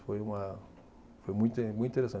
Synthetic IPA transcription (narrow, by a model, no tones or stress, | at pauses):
fojũma | fojmũj̃t̪emũjĩnt̪eɾesã